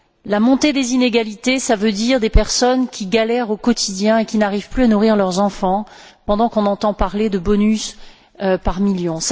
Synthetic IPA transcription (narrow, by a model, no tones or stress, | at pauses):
lamɔ̃t̪ed̪ezineɡalit̪esavød̪iʁd̪epɛʁsɔnkʲʰiɡalɛʁokɔt̪ʰid̪jɛ̃ekʲinaʁiv̥plyanuʁiʁlœʁzɑ̃fɑ̃pɑ̃d̪ɑ̃kɔ̃nɑ̃t̪ɑ̃paʁled̪əbɔnys | paʁmiljɔ̃s